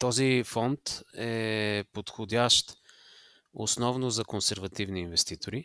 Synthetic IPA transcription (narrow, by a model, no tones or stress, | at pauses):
t̪ɔzifɔnt̪ɛpot̪xʊd̪ʲaʃt̪ | o̰snɔvnʊzɐkonsɛɾvɐt̪ivniːnvɛst̪it̪oɾi